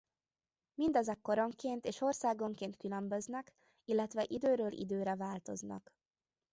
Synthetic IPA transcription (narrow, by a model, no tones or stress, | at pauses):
mind̪ɒzɛkːo̞ɾo̞ŋkeːnt̪eːʃo̞rsaːɡo̞ŋkeːnt̪kylø̞mbø̞znɛk | ilːɛt̪ʋɛʔid̪øːɾøːlʔḭd̪øːɾɛvaːlt̪o̞znɒ̰k